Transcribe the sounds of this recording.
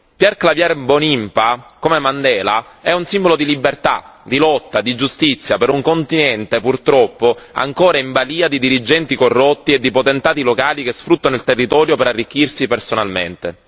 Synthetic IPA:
pjɛrklavjarbonimpakomemand̪ɛːla | ɛunsimbolod̪ilibert̪a̰d̪ilɔt̪ːad̪id͡ʒust̪it̪sːjapeɾuŋkont̪inɛnt̪epurt̪ɾɔpːoa̰ŋkoːɾaiɱbaliːad̪id̪iɾid͡ʒɛnt̪ikorːot̪ːied̪ːipot̪ent̪aːt̪ilokaːlik̟esfɾut̪ːanoilt̪erːit̪ɔːɾjopeɾarːik̟ːirsipersonalmḛnt̪e

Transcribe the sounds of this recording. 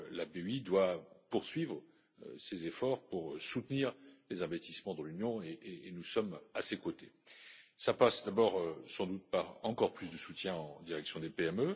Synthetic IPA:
labeid̪wapuʁsɥivʁə̰ | sezefɔʁpuʁsut̪niːʁlezɛ̃vɛst̪i̥smɑ̃d̪ɑ̃lynjɔ̃eʔeːnusɔmasekot̪esapasd̪abɔʁsɑ̃d̪ut̪̚paʁɑ̃kɔʁplysd̪əsut̪jɛ̃ɑ̃d̪iʁɛksjɔ̃d̪epeɛmø

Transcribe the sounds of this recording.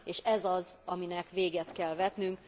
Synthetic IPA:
eːʃɛzɒzɒminɛkʋeːɡɛt̪kɛlvɛt̪nyŋk

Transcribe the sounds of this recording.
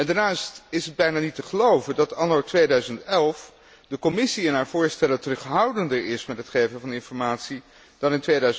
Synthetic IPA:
ɛndaːnaːstɪsɦəd̚bɛjnaːnitəχəlowvəndɑtɑnowtʋejdœɥzəntɛlˠf | dəkɔmɪsiɛnɦaːɹvʊːɹstɛləntərɵχɦʌwdəndəɹɪsmɛtɦətχejvəvɑnɪnfɔɹmaːtsi | d̥ɑnɪntʋejdœɥ

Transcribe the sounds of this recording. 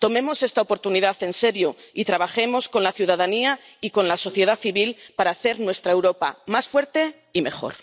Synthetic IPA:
t̪o̞mẽ̞mo̞se̞st̪aopo̞ɾt̪uniðaθe̞nse̞ɾjoit̪ɾaβ̞axe̞mo̞sko̞nlaθjuðaðaniaiko̞nlaso̞θje̞ð̞aθiβilpaɾaːθe̞ɾnwe̞st̪ɾaewɾo̞pa̰masfwe̞ɾt̪e̞ | ime̞xo̞̰ɾ

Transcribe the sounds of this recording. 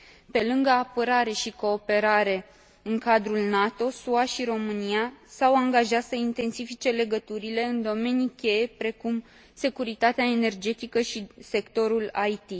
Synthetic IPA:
pe̞lɨŋɡəapəɾaɾe̞ʃiko̞ːpe̞ɾaɾe̞ | ɨŋkad̪ɾulnat̪o̞suaʃiɾo̞mɨnijasawaŋɡaʒat̪səint̪e̞nsifit͡ʃe̞le̞ɡət̪uɾile̞ɨnd̪o̞me̞nikʲe̞je̞pɾe̞kum | se̞kuɾit̪at̪eaene̞rd͡ʒe̞t̪ikəʃise̞kt̪o̞ɾulajt̪i

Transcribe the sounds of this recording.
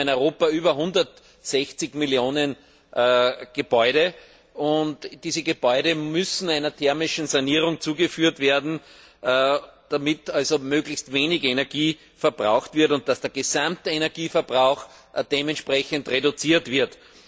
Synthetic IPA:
ɪnɔʏʁoːpayːbɐɦʊ̃ndɐt | sɛçt͡sɪçmɪljoːnən | ɡ̥əb̥ɔʏɾə | ʊntd̥iːzəɡəb̥ɔʏɾəmʏsn̩aɪnɐtʰɛɐmɪʃn̩saniːʁ̞ʊ̃ŋt͡suːɡəfyːɐtveːɐdn̩ | d̥amɪtalzomøːɡlɪçstveːnɪçenɛɐɡiː | fɛɐb̥ʁaʊxtv̥ɪɐtʊnt̚d̥asd̥eːɐɡezãmtəenɛɐɡiːfɛɐbʁaʊx | d̥eːmɛ̃ntʃpʁɛçəntʁedʊt͡siːɐtv̥ɪɐt

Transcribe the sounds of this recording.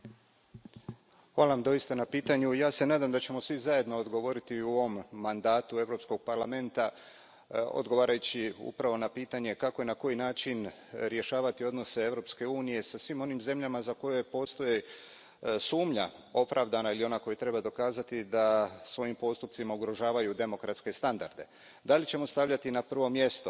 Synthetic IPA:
hʋaːlˠaamd̪o̞jist̪anapiːt̪aɲujaːse̞naːd̪amd̪at͡ɕe̞mo̞sʋizaje̞d̪no̞od̪ɡo̞ʋo̞ɾit̪iuo̞ʋomːand̪aːt̪ue̞ʋɾo̞psko̞ɡ̥̚paɾlame̞nt̪a | o̰d̪ɡo̞ʋaːɾajut͡ɕiṵpɾaʋo̞napiːt̪aɲe̞kako̞jenako̞jinaːt͡ʃin | ɾje̞ʃaːʋat̪io̞d̪no̞se̞e̞vɾo̞pske̞uːnije̞sasʋimo̞nimze̞mʎamazako̞jepo̞ːst̪o̞je | suːmʎa | o̞pɾaʋd̪anailio̞nako̞jt̪ɾe̞bad̪o̞kaːzat̪id̪asʋo̞jimpo̞st̪upt̪simauɡɾo̞ʒaːʋajud̪e̞mo̞kɾat̪ske̞st̪and̪a̰ɾd̪e̞ | d̪alit͡ɕe̞mo̞st̪aʋʎat̪inapr̩ʋo̞mje̞st̪o̞

